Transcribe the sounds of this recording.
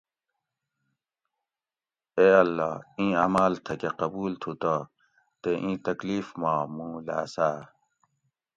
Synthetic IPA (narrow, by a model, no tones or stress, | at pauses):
eːɐlːaːĩːaːmaːlt̪ʰɐkeqɐbuːlt̪ʰut̪a | t̪eʔĩːt̪ɐkliːfmaːmũːla̰ːsaː